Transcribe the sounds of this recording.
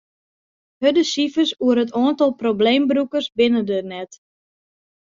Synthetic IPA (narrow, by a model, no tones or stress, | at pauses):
hødəsifəsuəɾətʰoəntɔlˠprobleːmbrukərsbɪnədənɛt